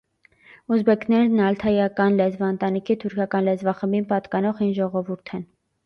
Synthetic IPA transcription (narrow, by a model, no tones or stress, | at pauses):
uzbɛkʰnɛɾnɑlt̪ʰɑjɑkɑnlɛzvɑənt̪ɑnikʰit̪ʰuɾkʰɑkɑnlɛzvɑχəmbinpɑt̪kɑnɔʁinʒɔʁɔvuɾt̪ʰɛn